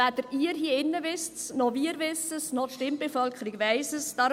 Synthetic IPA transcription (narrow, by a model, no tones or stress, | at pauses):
æt̪əɾiəɾɦiːəɪnːəʋɪstsnoviəɾʋɪsəsnɔt̪ʃtɪmbefœlkχəɾiɡʋɛɪsəsd̥ɑɾ